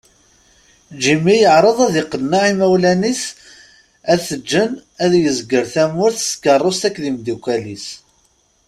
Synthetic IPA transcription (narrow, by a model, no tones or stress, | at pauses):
d͡ʒimijəʕɾˤəðˤæðɪqːənːaʕimæwlænis | æθəd͡ʒːənæðjəzɡəɾθæmʊɾθə̥skərˤːost̪ækːðimd̪ukʷːælis